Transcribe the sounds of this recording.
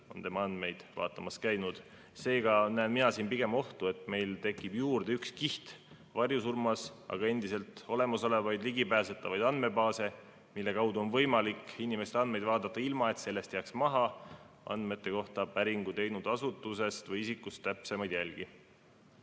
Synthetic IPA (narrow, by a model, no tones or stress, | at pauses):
o̞̰nt̪e̞mɑɑnd̪̥me̞jd̪̥vɑ̰ːt̪ːˑɑmɑskæjnud̪̥ | se̞ːɡ̥ɑnæːnminɑsiːnpiɡe̞mo̞ht̪ue̞t̪ˑme̞jlt̪e̞kːˑib̥juːrd̪̥eykskiht̪ | vɑrjusurmɑsɑ̰ɡ̥ɑe̞nd̪ise̞lt̪o̞le̞mɑso̞levɑjd̪liɡipæːse̞t̪ːˑɑvɑjd̪̥ɑnd̪me̞bɑːse̞ | milːe̞kɑwd̪uo̞nvɤjmɑlikinime̞st̪eɑnd̪me̞jd̪̥vɑːd̪ɑt̪ːˑɑilmɑe̞t̪se̞lːe̞st̪jæːksmɑɦɑ | ɑ̰nd̪̥me̞t̪ˑːe̞ko̞ht̪ɑpæɾiŋɡ̥ut̪e̞jnud̪̥ɑsut̪ːˑuse̞st̪vɤjisikːˑust̪t̪ːæpse̞mɑjd̪̥jælɡ̥i